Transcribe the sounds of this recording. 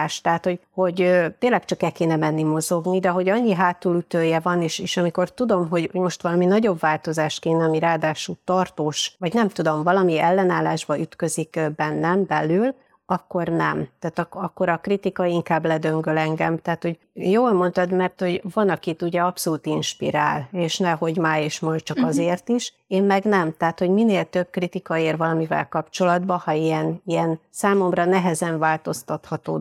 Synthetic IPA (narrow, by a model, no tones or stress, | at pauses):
ʃt̪ɛɦat̪ho̞ɟho̞ɟt̪eːlːɛkt͡ʃɒkɛlkeːnɛmɛnːimo̞zo̞ɡnid̪ɛɦo̞ɟɒɲːiɦaːt̪ulyt̪øːjɛvɒneːʃeːʃɒmiko̞rt̪ud̪o̞mɦo̞ɟhoɟmo̞ʃt̪ʋɒlɒminɒɟo̞bvaːlt̪o̞zaːʃt̪keːnɒmiɾaːd̪aːʃult̪ɒrt̪oːʃvɒɟnɛmt̪ud̪o̞mvɒlɒmiɛlːɛnaːlːaːʒbɒyt̪kø̞zikbɛnːɛmbɛlːyl | ɒkːo̞rnɛ̰mt̪aːt̪ɒɒkːo̞ɾɒkrit̪ikɒiŋkaːblɛd̪ø̞ŋɡølɛŋɡɛmt̪aːt̪ho̞ɟ | joːlmo̞nt̪ɒd̪mɛrt̪ho̞ɟvɒnɒkit̪uɟɛɒpso̞luːt̪inʃpiɾa̰ːleːʃnɛɦo̞ɟmaːeːʃmɒj̪t͡ʃɒkɒzeːrt̪iʃ | eːmmɛɡnɛmt̪aːt̪ho̞ɟmineːlt̪ø̞b̚krit̪ikɒeːrvɒlɒmivɛ̰lkɒpt͡ʃo̞lɒd̪bɒhɒiɛniɛnsaːmo̞mrɒnɛɦɛzɛɱvaːlt̪o̞st̪ɒt̪hɒt̪o̰ː